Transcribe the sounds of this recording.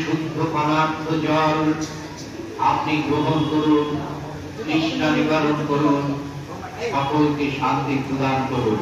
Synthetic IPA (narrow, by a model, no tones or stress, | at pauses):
ʃud̪ʱːopanaɾt̪ʰod͡ʑɔaɾ | apniɡɾoɦonkoɾun | ɾiʃʈaɾibaɾonkoɾun | ʃɔkolkiʃant̪ipɾud̪ankoɾun